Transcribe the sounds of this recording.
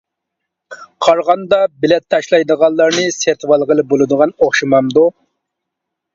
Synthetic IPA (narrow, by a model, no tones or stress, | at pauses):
qʰɑɾʁɑnd̪ɑbɪlɛt̪ʰːɑʃlˠɑjd̪əʁɑlˠːɑɾnɨseɾt̪ʰwɑlˠʁəlˠɨbolˠɨd̪əʁɑnoχʃimɑmd̪u